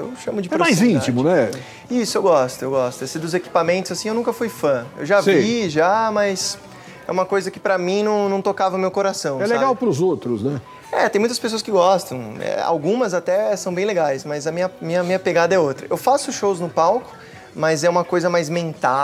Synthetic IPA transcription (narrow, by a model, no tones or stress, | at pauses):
ḛwʃɐ̃mʊd͡ʒɪpɛɾomajzĩnt͡ʃimʊnɛ | isʊewɡɔst̪ʊewɡɔst̪ʊesɪd̪ʊzeki̥pamẽnt̪ʊzasĩewnũkɐfujfɐ̃ḛwʒavseiʒamɐjs | ɛũmɐkojzɐkɪ̥pɾɐmĩnɐ̃w̃nɐ̃w̃t̪okavɐʊmewkoɾasɐ̃w̃ɛleɡawpɾʊzowt̪ɾʊznɛ | ɛ̰t̪ẽmũt̪ɐspes̬oɐskɪɡɔst̪ɐ̃w̃ɛ̰a̰wɡũmɐzat̪ɛsɐ̃w̃bẽj̃leɡajsmɐzɐmĩɲɐmĩɲɐmĩɲɐpeɡad̪ɐɛot̪ɾɐewfasʊʃowznʊpawkʊ̥ | mɐzɛũmɐkojzɐmajzmẽnt̪a